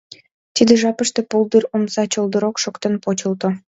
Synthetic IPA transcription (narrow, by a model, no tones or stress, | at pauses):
t̪id̪ĕʒɑpəʃt̪ĕpolˠd̪yronsɑt͡ɕolˠd̪əɾokʃokt̪enpot͡ɕə̆lt̪o